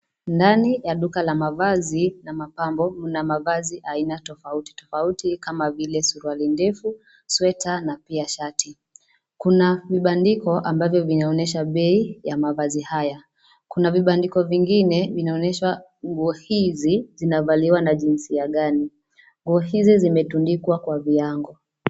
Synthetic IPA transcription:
ndanijaɗukalamavazinamapambɔm̩namavaziʔainatɔfauti̥tɔ̥fautikamavilɛsuɾualindɛfu | swɛtanapiaʃatʰi | kunaviɓandikɔʔambavjɔvinaɔnɛʃaɓɛijamavazihaja | kunaviɓandikɔviŋɡinɛvinaɔnɛʃwa | ŋɡuɔhizizinavaliwanaʄinsiaɠani | ŋɡuɔhizizimɛtundikwakwaviaŋɡɔ

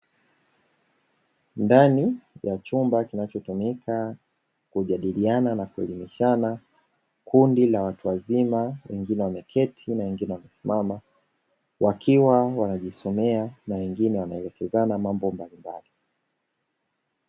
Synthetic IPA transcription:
ndanijat͡ʃumbakinat͡ʃɔtumikʰa | kuʄaɗiliananakuɛ̰limiʃana | kundilawatuwazimawɛ̰ŋɡinɛwamɛkʰɛtʰinawɛŋɡinɛwamɛsimʔama | wakʰiwawanaʄisɔmɛanawɛŋɡinɛwanaɛlɛkɛzanamambɔmbalimba̰li

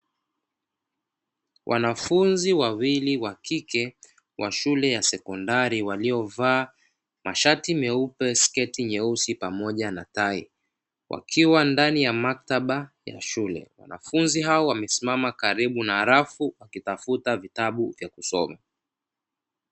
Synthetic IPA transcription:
wʔa̰nafunziwawiliwakikɛ | wʔa̰ʃulɛjasɛkɔndaɾiwaliɔvaː | maʃatimɛupɛskɛtiɲɛusipamɔʄanataḭ | wʔa̰kʰiwandanijamak̚taɓaja̰ʃulɛ̰wa̰na̰funziɦaɔwamɛsimamakaɾiɓunaːɾafuwakitafutavitaɓuvjakusɔma̰

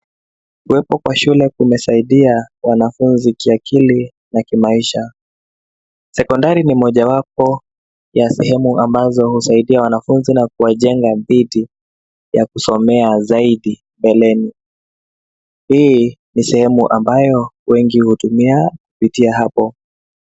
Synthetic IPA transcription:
kuwɛpɔkwaʃulɛkumɛsaiɗiawanafunzikiakʰili | nakimaiʃa | sɛkɔndaɾinimɔʄawap̚ɔ | jasɛhɛmuambazɔhusaiɗiawanafunzinakuwaʄɛŋɡaðiɗi | jakusɔmɛazaiɗi | mbɛlɛni | hiːnisɛhɛmuʔambajɔwɛŋɡihutumiakupitiaɦapɔ

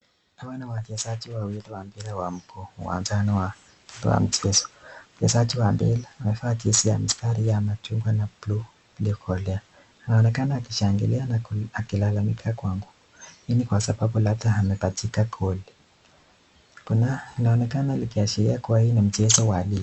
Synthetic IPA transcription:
awɛnawad͡ʒɛsad͡ʒiwawiliwambilawam̩kʰɔuwa̰nzanɔwa | dwa̰m̩t͡ʃɛzɔ̥m̩d͡ʒɛsad͡ʒiwambilaːmɛfat͡ʃisija̰mistaɾijamatuŋɡwanaplu | liɔkʰɔlɛa | inaɔnɛkanaːkiʃaŋɡilianaakilalamikʰakwaŋɡu | hinikwasababulab̚daamɛpatikakʰɔli | kunainaɔnɛkanalikiat͡ʃiɾiakuwahinim̩t͡ʃɛzɔwali

